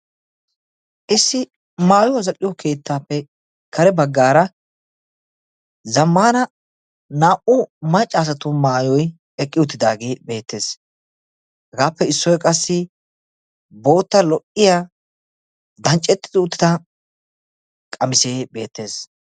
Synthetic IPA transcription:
ʔɪsːɪ | maːjʊɐzɐkʼːɪjɔkʰe̞ːt̪ːaːpːɛ | kʰɐɾɛbɐɡːaːɾɐ | zɐmːaːnɐ | naːʔʊmɐt͡ʃʼːaːsɐt̪ʊmaːjɔj | ɛkʼːɪʊt̪ːɪd̪aːɡeːbe̞ːt̪ːe̞ːs | hɛɡaːpːɛɪsːɔjkʼɐsːɪ | bo̞ːt̪ːɐlɔʔɪja | d̪ɐnt͡ʃʼːɛt̪ːɪ̥d̪ɪʊt̪ːɪ̥t̪ɐ | kʼɐmɪseːbe̞ːt̪ːe̞ːs

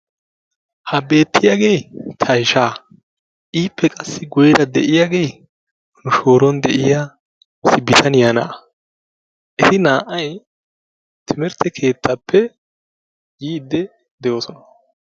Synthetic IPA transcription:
hɐbe̞ːt̪ʰːɪjaːɡe̞jt̪ʰɐjʃaː | ʔiːpːɛkʼɐsːɪɡɔjɛɾɐd̪ɛʔɪjaːɡe̞j | nʊʃo̞ːɾɔnd̪ɛʔɪja | sɪbːɪt̪ʰɐnjaːnɐ̰ʔ | ʔɛt̪ɪnaːʔɐj | t̪ʰɪmɛɾt̪ːɛkʰe̞ːt̪ʰːapʰːɛ | jiːd̪ːɛ | d̪ɛjoːsɔnɐ̥

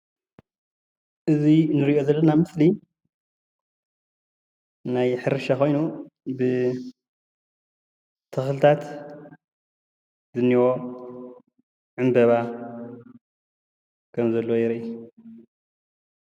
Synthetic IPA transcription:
ʔɨzinɨɾiʔo̞zɐlːɐnamɨsli | najħɨɾɨʃako̞jnubɨ | t̪ʰɨxlɨt̪ʰat̪ | zɨnːiwo | ʕɨmbɐβa | kʰɐmzɐlːojɛɾɐʔu

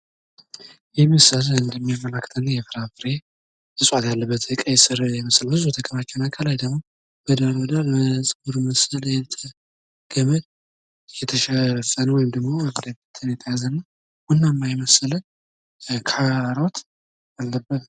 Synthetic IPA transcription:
jɛməsələɨnd̪əmːijamːələkːə̥t̪ʰənːjɛfɨɾafɨɾe | ɨsʼwat̪jalːəbːət̪əkʼəjsɨɾjɛməsəlbɨzut̪ʰəkʼəβat͡ʃːɛwnakʰəlajd̪əɡmo | b̥əd̪aɾməd̪alməsʼɡuɾməsələjɛt̪ʰə | ɡ̥əməd̪ | jɛt̪ʰəʃəfənəwjɪmd̪əɡmoəɡd̪əbət̪ʰɨnjɛt̪ʰəjazənːa | wʊnːamːajməsələn | kʰaɾot̪ | alːəbːət̪

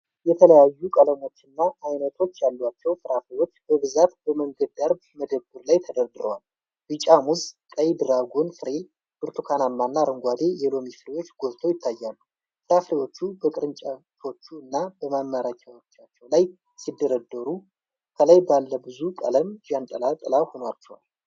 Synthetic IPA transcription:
jɛt̪ʰələjajːukʼələmo̞t͡ʃːɨnːaʔːjnət̪ʰo̞t͡ʃːjalːwat͡ʃːɛwfɨɾafɾewo̞t͡ʃːbəβɨzat̪bəməŋɡəd̪aɾbməd̪əbːɨɾlajt̪ʰəd̪əɾd̪ɨɾowal | bɨt͡ʃʼamuzkʼəjd̪ɨɾaɡonfɨɾe̞ | b̥ɨɾt̪ʰukʰanamːanːaɾəŋɡʷad̪e̞jɛlo̞mifɨɾewo̞t͡ʃːɡo̞zt̪ʰo̞jɪt̪ʰːajːalːu | fɨɾafɾewo̞t͡ʃːubəkʼɨɾɨnt͡ʃʼa | o̞t͡ʃːuɨnːabəmamːaɾakʲʰawo̞t͡ʃːat͡ʃːɛwlaj | sid̪ːəɾəd̪ːəɾu | kʰələjbalːəbɨzuk̪ʼə̰ləmd͡ʒant̪ʼəlat̪ʼəlaho̞noat͡ʃːɛwa̰l

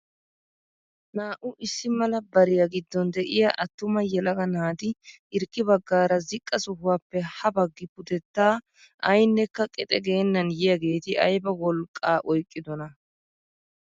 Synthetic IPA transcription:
naːʔʊʔɪsːɪmɐlɐbɐɾɪjaɡɪd̪ːɔnd̪ɛʔɪjaʔɐt̪ːʊmɐjɛlɐɡɐnaːd̪ɪʔɪɾkːɪbɐɡːaːɾɐzɪkʼːɐsʊhʊwaːpːɛhɐbɐɡːɪpʊd̪ɛt̪ːaː | ɐjnːɛkːɐkʼɪt̪ʼɛɡe̞ːnːɐnjɪjɐɡe̞ːt̪ɪʔɐ̰jbɐwɔlkʼːaːʔɔjkʼːɪd̪ɔnɐ

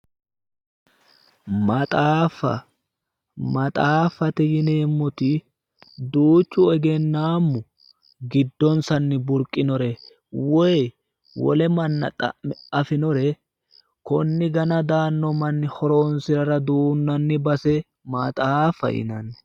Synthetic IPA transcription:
mɐt̪ʼaːfɐ̰ | mɐt̪ʼaːfːɐt̪ɛjɪneːmːʊt̪ɪ | d̪uːt͡ʃːʊɛɡɛnːaːmːʊ | ɡɪd̪ːɔnsɐnːɪbʊɾkʼɪnɔɾɛ | wɔj | wɔ̰lɛmɐnːɐ̰t̪ʼɐ̰ɛɐfɪnɔɾɛ | kɔnːɪɡɐnɐd̪aːnːɔmɐnːɪhɔɾoːnsɪɾɐɾɐd̪uːnːɐnːɪbɐsɛ | mɐt̪ʼaːfːɐ̰ʔɪ̰nɐnːɛ̥

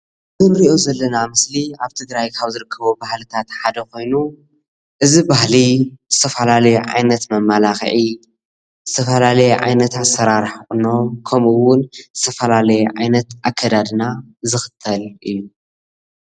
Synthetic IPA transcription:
zɨnɾiʔo̞zɐlːɐnamɨsliaβt̪ʰɨɡɾajkʰaβzɨɾɨkʰːɐβobahlɨt̪ʰat̪ħad̪ɐko̞jnu | ʔɨzibahlizɨt̪ʰɐfɐlalɐjuʕa̰jnɐt̪mɐmːalaxʕi | zɨt̪ʰɐfɐlalɐjɛʕa̰jnɐt̪ʰat̪sɐɾaɾħɨno̞kʰɐmɨwʊnzɨt̪ʰɐfɐlalɐjɛʕajnɐt̪ʔakʰːɐd̪ad̪nazɨxɨ̥t̪ʰːɐlʔɨjːu

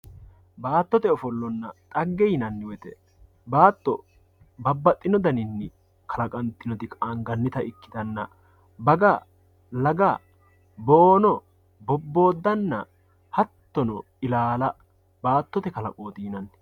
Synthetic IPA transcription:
baːt̪ːɔt̪ɛɔfɔlːɔnːɐt̪ʼɐɡːɛjnɐnːɪwɛt̪ɛ | baːt̪ːɔ | bɐbːɐt̪ʼːɪnɔd̪ɐnɪnːɪ | kʰɐlɐkʼɐnt̪ːɪnɔt̪ɪkʼaːŋɡɐnːɪt̪ɐɪkːɪ̥d̪ɐnːɐ̰ | bɐɡɐ | lɐɡɐ | boːnɔ | bɔbːo̞ːd̪ːɐnːɐ̰ | hɐt̪ːɔnɔ | ɪlaːlɐ | baːt̪ːɔt̪ɛkɐlɐ̰kʼoːt̪iːnɐnː

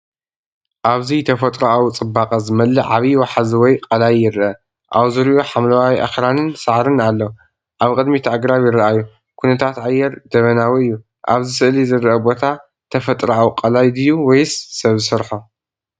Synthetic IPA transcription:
ʔaβzit̪ʰɐfɐt̪ʼɾoʔawt͡sʼɨbːaqʼɐzɨmɐlːɨʕaβiwaħazwɔjkʼɐlajːɪɾʔɐ | ʔawzɨɾiʔuħamlɐwawjʔa̰xɾanɨnsaʕɾɨnalːɐ | ʔaβkʼɨd̪mit̪ʰaʔaɡɾaβjɪɾɐʔajːu | kʰunɐt̪ʰat̪ʕajːɛɾd̪̥ɐβɐnawiɨjːu | ʔa̰βzɨsɨʔlizɨɾʔɐbo̞t̪ʰa | t̪ʰɐfɐt̪ʼɾɐʔawqʼɐlajd̪ɨjːuwɔjsːɐβzɨsɐɾħo

